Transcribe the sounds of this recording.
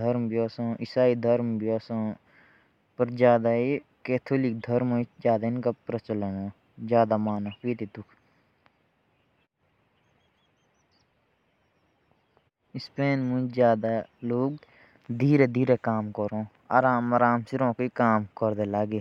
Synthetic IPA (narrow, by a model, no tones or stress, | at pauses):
d̪əɾmbjoːsõːʔisaːid̪ʱəɾmbijoːsõ | pəɾd͡ʒjaːd̪aikeːt̪ʰoːlik̚d̪ʱəɾmõd͡ʒaːd̪aɪnkapɾət͡ʃələnõː | zjaːd̪amaːnãpiːt̪it̪ukʰ | ispeːnmũd͡ʒjaːd̪aloːɡ | d̪ʱiːɾed̪ʱiːɾekaːmkəɾõː | a̰ːɾaːmaɾaːmsiɾõːkikaːmkəɾd̪elaːɡeː